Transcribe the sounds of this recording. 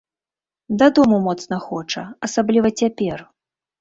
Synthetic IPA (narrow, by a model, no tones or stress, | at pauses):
d̪ad̪ɔmumɔt̪snɐxɔt͡ʂɐɐsablʲivɐt͡sʲapʲɛr